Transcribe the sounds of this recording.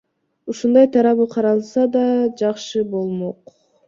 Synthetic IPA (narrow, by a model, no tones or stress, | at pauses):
uʃund̪ɑjt̪ʰɑɾɑβɯqʰɑɾɑlˠsɑd̪ɑd͡ʒɑqʃɯbo̞lˠmoq